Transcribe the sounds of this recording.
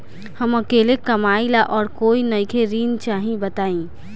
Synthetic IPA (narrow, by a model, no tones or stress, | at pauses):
həməkeːlekəmaːilaʔɔːɾkoːinəjkʰeɾiːnt͡ʃaːɦĩbət̪aːĩ